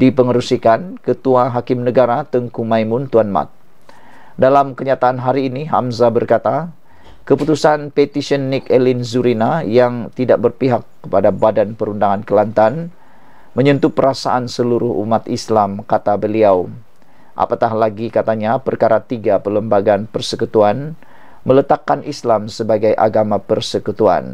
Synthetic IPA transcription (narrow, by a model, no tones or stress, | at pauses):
dipəŋəɾusikankət̪uaɦakɪmnəɡaɾat̪əŋkumajmʊnt̪uanma̰t̪̚ | dalamkəɲat̪aʔanɦaɾiːniɦa̰mzabərkat̪a | kəput̪usanpet̪isənːikelinzuɾinajaŋt̪idaʔ̚bərpiɦakːəpadabadanpəɾundaŋankəlant̪an | məɲənt̪upəɾasaʔansəluɾʊhṵmat̪islamkat̪abəliaw | ʔa̰pat̪ahlaɡikat̪aɲapərkaɾat̪iɡapələmbaɡanpərsəkut̪uan | mələt̪akːanʔislamsəbaɡajʔa̰ɡamapərsəkut̪ua̰n